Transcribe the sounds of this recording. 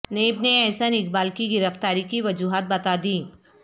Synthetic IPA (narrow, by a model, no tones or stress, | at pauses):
neːbneɛːsənɪk̚baːlkiɡɪɾəft̪aːɾikiʋɐd͡ʒuːɦaːt̪̚bɐt̪ad̪iː